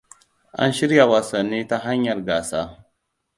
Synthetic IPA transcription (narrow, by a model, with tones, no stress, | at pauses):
ʔa̰˦nʃɪ˦ɾja˨wa˨sɐ˨nːiː˦ta˦ɦa˦ɲjɐ˨rɡaː˨saː˦